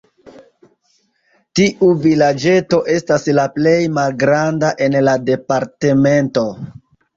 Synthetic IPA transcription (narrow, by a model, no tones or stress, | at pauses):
tiʔuvilad͡ʒe̞to̞ʔe̞staslaple̞jmalɡɾandaʔe̞nlade̞paɾte̞me̞nto̞